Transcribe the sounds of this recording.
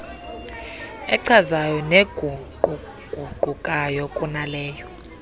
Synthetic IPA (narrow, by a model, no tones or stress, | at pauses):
ɛǀʰazajɔneɡʱu | u | ɡ̥ʱuɡ͡ǃ̥ʱukʼajɔkʼunalɛːjɔ